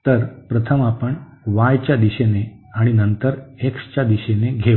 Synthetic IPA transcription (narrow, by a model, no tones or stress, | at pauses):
t̪əɾpɾət̪ʰəmapəɳ | ʋajt͡ɕjad̪iɕene | aɽ̃inənt̪əɾekst͡ɕad̪iɕeneɡʱe